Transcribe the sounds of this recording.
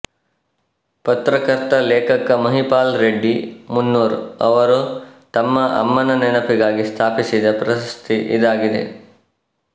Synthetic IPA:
pɐt̪ɾɐkɐɾt̪ɐleːkɐkːɐmɐɦipaːlɾeɖːimunːuːɾɐʋɐɾut̪ɐmːɐʔɐ̰mːɐnɐnɛnɐpiɡaːɡist̪ʰaːpisid̪ɐpɾɐsɐst̪iʔḭd̪aːɡid̪ḛ

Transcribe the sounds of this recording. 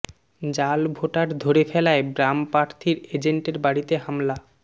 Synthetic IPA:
d͡ʑalbʱoʈaɾd̪ʱoɾefɛlaebɾampɾaɾt̪ʰiɾed͡ʑeɳʈeɾbaɽit̪eɦamla

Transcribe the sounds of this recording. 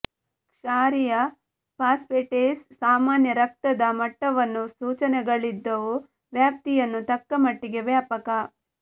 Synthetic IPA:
kʂaːɾijɐ | pʰaːspeʈeːsːaːmaːnjɐɾɐk̚t̪ɐd̪ɐmɐʈːɐʋɐnːusuːt͡ʃɐnɛɡɐɭid̪ːɐʋu | ʋjaːp̚t̪ijɐnːut̪ɐkːɐmɐʈːiɡeʋjaːpɐkɐ

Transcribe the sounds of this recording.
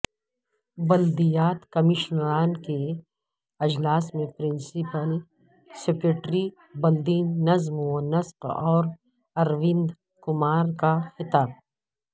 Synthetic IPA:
bɐld̪ijaːt̪kɐmɪʃnɾaːnke | ɐd͡ʒlaːsmẽpɾɪ̃nsipəl | sekɾeʈɾi | bɐld̪iːnːɐzmonɐsqɔːɾ | ɐɾwɪ̃nd̪ | kʊmaːɾkaxɪt̪aːb̚

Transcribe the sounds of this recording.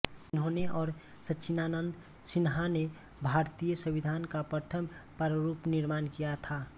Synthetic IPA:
ʊnɦõneʔɔːɾ | sət͡ʃʰinaːnənd̪ | sɪnɦane | bʱaːɾt̪ijəsəbid̪ʱaːnkapət̪ʰəmpəɾəɾupnɪɾmaːnkijat̪ʰa

